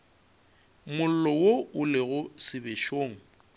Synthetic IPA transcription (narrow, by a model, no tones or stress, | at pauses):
mʊl̩lɔwoʊleɣʊsɪbeʃoːŋ̩